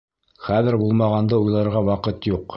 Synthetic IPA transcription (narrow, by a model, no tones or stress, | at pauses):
χæðɘ̆ɾbulˠmɑʁɑnd̪ɤujlˠɑɾʁɑwɑqɤt̪juq